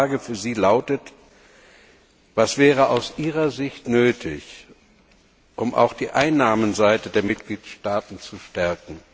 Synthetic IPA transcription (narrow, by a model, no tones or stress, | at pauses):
aːɡəfyːɐziːlaʊtət | v̥asv̥ɛːʁ̞əʔaʊsʔiːʁɐzɪçtnøːtʰɪ̰ç | ʔʊmʔa̰ʊxd̥iːʔaɪnːaːmənzaɪtədeːɐmɪt̚ɡ̥liːtʃtaːtn̩t͡suʃtɛɐkŋ̩